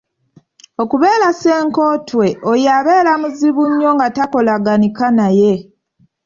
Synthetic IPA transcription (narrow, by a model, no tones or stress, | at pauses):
o̞kuβe̞ːlase̞ːŋko̞ːtwe̞ʔojaβe̞ːlamuziβuɲːo̞ŋɡatako̞laɡanikanaje̞